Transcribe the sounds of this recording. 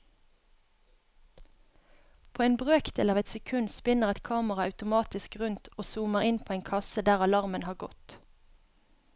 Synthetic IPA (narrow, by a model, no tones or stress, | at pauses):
pʰoːeːnbʁøːkd̪̥eːlɑːʋɛt̪sɛkʰʉnspɪnəʁɛt̪kʰɑːməʁɑɑʉt̪ʊmɑːt̪ɪskʁʉnt̪oːsuːməʁɪnpʰoːeːŋkʰɑsəd̪æːʁɑlɑʁmənhɑːʁɡɔt̪